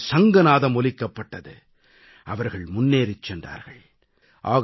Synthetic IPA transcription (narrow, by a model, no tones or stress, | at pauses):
sɐŋɡɐnaːðɐmɔlɪkːɐpːɐʈːɐðɯ | ʔɐʋɐɾɣɐɭmʊnːeːɾɪt͡ʃːɛndra̰ːɾɣɐɭ | ʔaːɣ